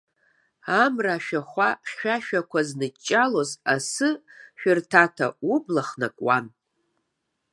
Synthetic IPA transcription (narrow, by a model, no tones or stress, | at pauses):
amraʃᶣaχʷaχʲɥᶣaʃᶣakʷʰaznɨt͡ʃʼːalo̞zasɨʃᶣʊrtʰatʰa̰ublaχnakʼwan